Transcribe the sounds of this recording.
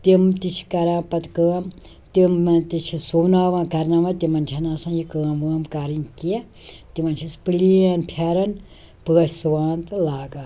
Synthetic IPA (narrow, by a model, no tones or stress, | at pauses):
t̪imt̪it͡ʃʰkɐɾãːpɐt̪kəːɐm | t̪imt̪it͡ʃʰisuːnaːʋãːkɐɾnɐʋɐ̃t̪imɐnʲt͡ʃʰɐnasãːjikəːɐ̃mʋɨɐmkaɾinkiɛ | t̪imɐnt͡ʃʰispɨlianpʰaːɾɐn | pɨɐssuʋaːnt̪laːɡa